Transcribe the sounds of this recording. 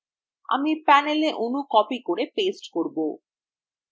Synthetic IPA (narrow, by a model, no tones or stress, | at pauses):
a̰mipæneleʔonukɔpikoɾepesʈkoɾbo